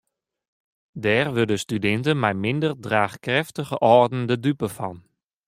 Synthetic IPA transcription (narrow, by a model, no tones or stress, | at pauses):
dɛːrʋødəstydɪntənmɛjmɪndərdraːxkrɛftəχəʔɔrdən̩dədypəfɑn